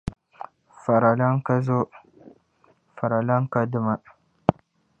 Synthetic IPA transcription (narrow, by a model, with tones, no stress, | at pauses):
fa˨ɾa˨la˦ŋka˦zo˦ | fa˨ɾa˨la˦ŋka˦də˦ma˨